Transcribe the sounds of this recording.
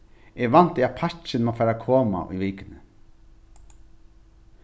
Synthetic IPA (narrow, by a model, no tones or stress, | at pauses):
ʔɛɣʋan̥t̪ɪapʰat͡ʃɪnmafaːɾakʰoːma̰ʔṵviːkɪnɪ